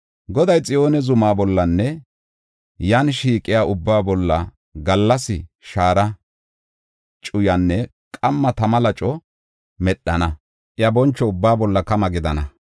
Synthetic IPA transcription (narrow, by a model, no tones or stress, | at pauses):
ɡɔd̪ɐjt͡sʼɪjo̞ːnɛzʊmaːbɔlːɐnːɛ | jaːnʃiːkʼːɪjaːʔʊbːaːbɔlːɐ̰ | ɡɐlːɐsɪʃaːɾɐ | t͡ʃʼʊjɐnːɛ | kʼɐmːɐt̪ɐmɐlɐt͡ʃʼɔ | mɛɗːɐnɐ | ʔɪjɐbɔnt͡ʃːɔʊbːaːbɔlːɐkɐmɐɡɪd̪ɐnɐ